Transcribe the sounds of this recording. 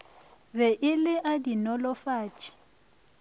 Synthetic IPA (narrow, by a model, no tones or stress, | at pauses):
bɛʔɪlɪʔadinɔlɔfaːt͡ʃʼi̥